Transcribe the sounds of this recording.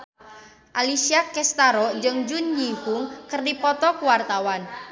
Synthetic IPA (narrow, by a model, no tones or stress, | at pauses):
ʔalisiakɛst̪aɾɔd͡ʒɨŋd͡ʒʊnjihʊŋkɨrdipɔt̪ɔkuwart̪awan